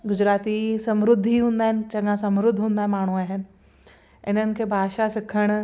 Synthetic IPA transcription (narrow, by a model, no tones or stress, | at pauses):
ɡʊd͡ʑɾaːt̪isɐmɾʊd̪ʱːiɦũːnd̪aːɦɪnɪ̆t͡ɕɐ̃ŋɡãsɐ̃mɾʊd̪ʱːɦũːnd̪ãːmaːɳ̤uaːɦɪnɪ̆ | ɪ̰nənɪ̆kʰeːbʱaːʃasɪkʰəɽ̃